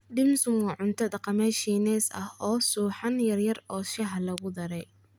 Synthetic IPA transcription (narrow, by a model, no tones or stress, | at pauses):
ɖɪmsʊmkɐʕʊnt̪ʰɐd̪ɐqɑmɛːʃiːnɛːsɐhɔːsuːħɑnjɐrjɐrɔːʃɐɦɐlɐɣʊd̪ɐɾɛj